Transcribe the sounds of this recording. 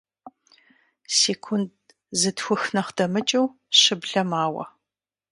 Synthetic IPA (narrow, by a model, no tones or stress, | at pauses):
seːkʷʰʊnd̚ | zɨtxʷʊxnɐχd̥ɐmɨt͡ʃʼɐw | ɕɨbɮɐmaːwɐ̰